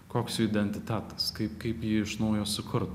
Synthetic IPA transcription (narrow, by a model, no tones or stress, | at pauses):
koːksjuːɪd̪ʲɛnʲt̪ʲɪt̪ʲæt̪ɐ̥skɐɪpkɐɪpjiːɪʃnɐʊjoːsʊkʰʊɾt̪